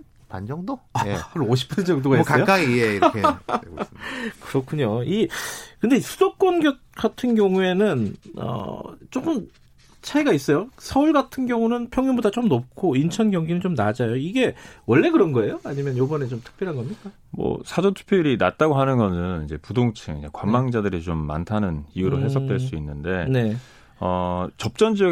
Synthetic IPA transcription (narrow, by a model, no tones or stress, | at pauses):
pand͡ʑʌŋdoeɾoɕ̬ʰi̥p͈ʰand͡ʑʌŋdoɡaiskaʌjok͈aɡieiɾke | kɯɾʌkʰuɲoikɯnde̞isʰudok̚k͈wʌnɡjʌt̚ɡatʰɯnɡjʌŋue̞nɯnʌ̰t͡ɕ͈ok͈ɯm | t͡ɕʰaiɡais͈ʌjosʰʌuɭɡatʰɯnɡjʌŋunɯnpʰjʌŋjubodat͡ɕomnopkʰoint͡ɕʰʌnɡjʌŋɡinɯnt͡ɕomnad͡ʑajoiɡe̞wʌɭːe̞kɯɾʌnɡʌe̞joaɲimjʌnjobʌne̞t͡ɕomtʰɯ̥k̚p͈jʌɾɦanɡʌmɲik͈a | mʌ̰sʰad͡ʑotʰu̥pʰjoɾinat̚t͈aɡoɦanɯnɡʌnɯnid͡ʑe̞pudoŋt͡ɕʰɯŋid͡ʑekwammːaŋd͡ʑadɯɾit͡ɕomːa̰ntʰanɯniuɾoɦe̞sʰʌk̚t͈we̞ɭs͈uinːɯnde̞ne̞ | ʌt͡ɕʌp̚t͡ɕ͈ʌnd͡ʑi